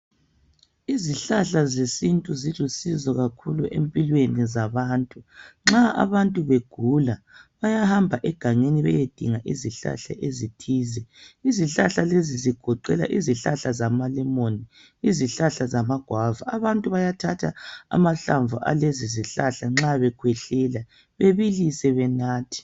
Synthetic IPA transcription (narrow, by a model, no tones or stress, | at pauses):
iziɬaɬazesintʼuziɮusizɔɣakʰuluʔḛmpʼilwenizaβaːntʼuŋ͡ǁaa̰βantʼuβeɡ̥ʱula | βajahambʱaʔɛɡ̥ʱaŋeniβɛjed̥ʱiŋaʔiziɬa̰ɬa̰ʔezitʰiːzɛiziɬaɬaleziziɡ̥ʱɔǃɛla̰ʔiziɬa̰ɬazamalɛmoni | iziɬaɬazamaɡ̥ʱwava̰aβantʼuβajatʰatʰaa̰maɬaɱvuʔa̰leziziɬaɬaŋ͡ǁaβɛkʰwɛɬɛla | βeβilisɛβɛnaːtʰi̥